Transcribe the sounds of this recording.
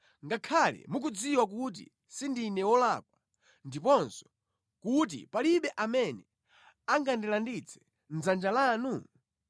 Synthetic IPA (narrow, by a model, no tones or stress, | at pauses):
ŋɡakʰalɛ̰muk̬ud͡ziwak̬ut̬ḭ | sindinɛwɔlak̚wa | ndipɔnsɔ̥ | kut̬ḭpaliɓɛʔamɛnɛ | aŋɡandilandit͡sʰɛ̥ | n̩zand͡ʒalaːnu